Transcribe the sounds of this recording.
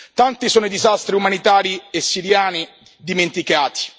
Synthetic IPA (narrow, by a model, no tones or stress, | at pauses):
t̪ant̪isoːnoid̪izast̪ɾiumanit̪aːɾiesːiɾjaːni | d̪iment̪ikaːt̪i̥